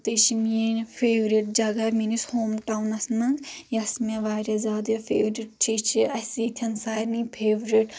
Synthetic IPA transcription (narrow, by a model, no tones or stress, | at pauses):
t̪it͡ʃʰiminpʰeːʋɾiʈ̚d͡ʒɐɡɐminishoːmʈawnɐsmɐŋɡjɐsmʲeʋaːɾʲɐzʲaːd̪jɐfʰeːʋɾiʈ̚t͡ʃʰit͡ʃʰiɐsiːt̪ʲʰɐnsaːɾnipʰeːʋɾiʈ